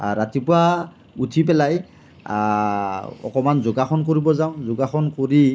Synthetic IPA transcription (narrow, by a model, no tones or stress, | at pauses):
ɹatipʊa | utʰip̬ɛlaj | ɔ̰kɔmanzʊɡaxɔnk̬oɹibɔzaʊ̃zʊɡaxɔnkoɹi